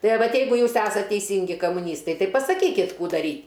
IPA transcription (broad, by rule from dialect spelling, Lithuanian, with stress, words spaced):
ˈtɐɪ ɐ ˈʋɐt ˈjɛɪɡʊ ˈjuːs ˈæːsɐt tʲɛɪˈsʲiːŋʲɡʲɪ kɐmʊˈnʲiːstɐɪ ˈtɐɪ pɐsɐˈkʲiːkʲɪt ˈkuː dɐˈrʲiː